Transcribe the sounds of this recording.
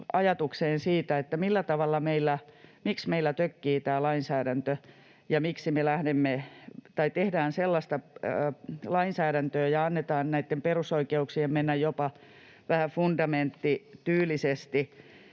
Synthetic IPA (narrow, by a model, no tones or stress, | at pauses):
ɑjɑt̪ukseːnsiːt̪æet̪ːæmilːæt̪ɑʋɑlːɑmeilːæmiksmeilːˑæt̪økːiːt̪æːlɑinsæːɾænt̪ø | jɑmiksimelæhdemːet̪ɑit̪ehdæːnselːɑst̪ɑ | lɑinsæːɾænt̪øːjɑɑnːet̪ɑːnnæit̪ːemperusoikeuksiemmenːæjjopɑ | ʋæhæfundɑment̪ːit̪yːlˑisest̪i